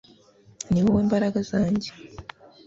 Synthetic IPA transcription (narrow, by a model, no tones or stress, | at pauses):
niwoweːmbaɾaɡazaːɲɟe